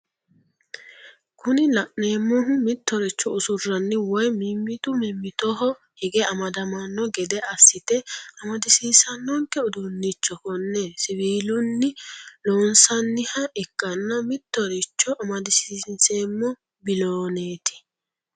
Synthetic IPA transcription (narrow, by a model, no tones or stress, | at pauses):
kʊnɪlɐʔne̞ːmːɔɦʊmɪt̪ːɔɾɪt͡ʃːɔʊsʊrːɐnːɪwɔjmɪmːɪt̪ʊmɪmːɪt̪ɔɦɔ | hɪɡɛɐmɐd̪ɐmɐnːɔɡɛd̪ɛɐsːɪt̪ɛɐmɐd̪ɪsiːsɐnːɔŋkɛʊd̪ʊnːɪt͡ʃːɔkɔnːɛsɪβiːlʊnːɪloːnsɐnːɪhɐʔɛkːɐnːɐmɪt̪ːɔɾɪt͡ʃːɔʔɐmɐd̪ɪsiːnse̞ːmːɔ | bɪloːneːt̪ɪ̥